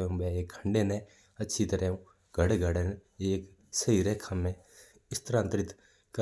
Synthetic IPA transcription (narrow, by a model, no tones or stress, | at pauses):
ũːbɛːeːkʰːəɳɖeːnɛ̃ː | ətːʃʰit̪əɾɛːũː | ɡʱəɽeɡʱəɽeneːk | səiːɾekʰamːɛ̃ː | ɪst̪ɾãːnt̪ɾɪt̪ | kə